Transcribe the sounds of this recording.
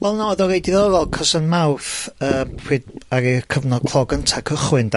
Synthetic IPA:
vɛlˠnaɔðɔɾejdɪðɔɾɔlˠkʰɔsanmawθəːmw̥ɪdaɾikʰəvnɔdkʰlˠɔɡəntʰakʰəχwɨnd

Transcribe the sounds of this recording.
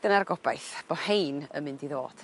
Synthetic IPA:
dənarɡɔbajθb̥ɔhejnə̰mɨndiðo̰ːd̥

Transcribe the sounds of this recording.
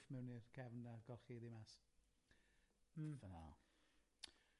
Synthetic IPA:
fmɛwnirkʰɛvnaɡɔlˠχiðimas | vəna̰

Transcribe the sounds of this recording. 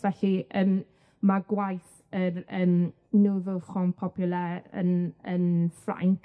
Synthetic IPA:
vɛɬiʔən | maɡwajθ | əɾəːm | nuðʊχɔnpʰɔpʰjʊlˠɛə̰nənfra̰ŋk

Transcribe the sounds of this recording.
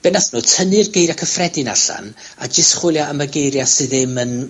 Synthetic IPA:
b̥ɛnasnutʰənɨrɡejɾakʰəfrɛdɨna̰ɬa̰n | a̰d͡ʒɪstχwɪlˠjaəməɡejɾjasɨðɪmən

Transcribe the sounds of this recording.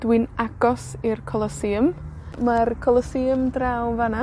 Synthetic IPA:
d̥wɪnaɡ̥ɔsirkʰɔlˠɔsiəm | markʰɔlˠəsiəmdrawvana

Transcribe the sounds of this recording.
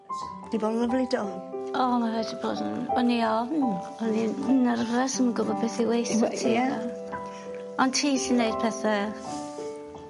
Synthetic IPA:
d̥ibɔdləvlidɔnɔmavɛdibo̰ːdʊniɔvn | əninaɾəvrɛsəməɡʊbɔd̚bɪθiwejstʰia | ɔntʰiːɬinejd̥̚pʰɛθa

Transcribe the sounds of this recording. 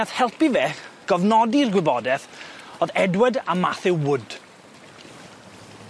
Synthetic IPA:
aθhɛlˠpivɛːχɡ̥ɔvnɔdirɡwɪbɔdɛθɔːðɛdwədama̰θɪwwʊd̥

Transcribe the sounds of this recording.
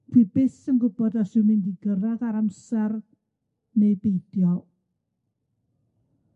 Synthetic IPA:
pʰwibɪsənɡʊbɔdasumɪndiɡəraɡaɾamsar | nɛbejdjɔw

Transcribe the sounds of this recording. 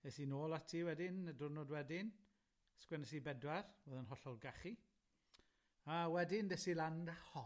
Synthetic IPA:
esinoːlˠatʰiːwɛdɪnədʊrnɔdwɛdɪn | skwɛnɛsibɛdwarboːðənɦɔɬɔlˠɡaχi | awɛdɪndɛsilˠandahɔ

